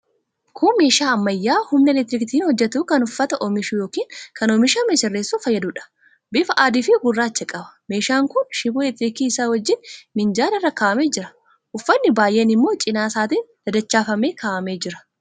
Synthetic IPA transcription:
kʰuːme̞ːʃaːɐmːɐjːaːhʊmnɛlɛt̪ɾɪkt̪iːnhɔd͡ʒːɛt̪uːkɐnʊfːɐt̪ɐʔɔmɪʃuːjoːkiːŋkɐnɔmɪʃaːmɛsɪrːeːsːuːfɐjːɐd̪uːᶑɐ̥ | bɪfɐʔaːd̪iːfɪɡʊrːaːt͡ʃːɛkʼɐbɐ̥me̞ːʃaːŋkʊnʃɪboːlɛt̪ɾɪkiːsaːwɐd͡ʒːɪnmɪnd͡ʒaːɾɪrːɐkaːʔɐmeːd͡ʒɪɾɐ̥ | ʔʊfːɐnːɪbaːjʔeːnɪmːo̞ːt͡ʃʼɪnaːsaːt̪iːnd̪̥ɐd̪ɐt͡ʃːaːfɐmeːkʰaːʔɐmeːd͡ʒɪɾɐ̥

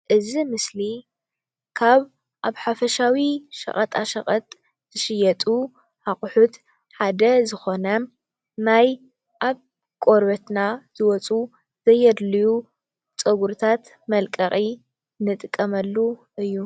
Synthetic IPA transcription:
ʔɨzimɨsli | kʰaβ | ʔaβħafɐʃawiʃɐ̰χʼɐt̪ʼaʃɐ̰χʼɐt̪ʼ | z̥ɨʃɪjɛt̪ʼu | ħaχʼʊħut̪ | ħad̪ɐzɨxo̞nɐ | naj | ʔaβ | kʼo̞ɾbɐt̪naz̥ɨwɔt͡sʼu | z̥ɐjːɛd̪liju | t͡sʼɐɡuɾt̪ʰat̪ | mɐlkʼɐχʼi | nɨt̪ʼɨkʼːɐmɐlːuʔɨjːu

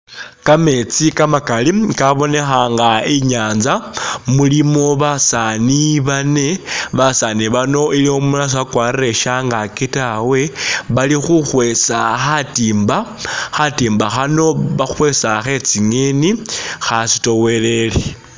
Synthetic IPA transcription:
kame̞t͡sikamakalikaβo̞ne̞xaŋɡaiɲaːnzamulimo̞βasaniβane̞βasaniβano̞iliomulas̬akwaːrire̞ʃaŋɡakitawe̞βalixuxwe̞saxatiːmbaxatiːmbaxano̞βaxwe̞saxe̞t͡siŋe̞nixasi̥to̞we̞le̞le

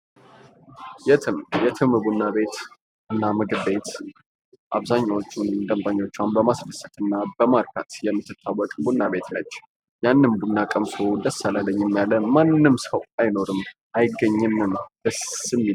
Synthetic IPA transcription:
jɛɨjɛt̪ʰɨmbunːabe̞t̪ | ɨnːamɨɡɨbe̞t̪ | ʔaβzaɲːawo̞t͡ʃːund̪əmbaɲːo̞t͡ʃːwanbəmasfəsːət̪ɨnːabəmaɾkʰa̰t̪jɛmːɨt̪ːɨt̪ʰːawːɔkʼbunːaβe̞t̪nət͡ʃː | janːɨnbunːakʼəmsod̪əsːalaləɲːɪmːjalːəmanːɨmsəwajno̞ɾɨmʔajɪɡːəɲːɨnɨnd̪̥əsɨmːi

